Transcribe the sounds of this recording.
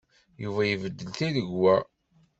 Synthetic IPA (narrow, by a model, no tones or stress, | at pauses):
juvæjəvəd̪ːəlθiðəʝwæ